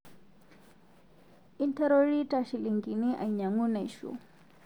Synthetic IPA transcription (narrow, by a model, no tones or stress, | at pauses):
int̪ɛɾɔɾitaʃiliŋɡiniʔa̰jɲaŋunaiʃṵ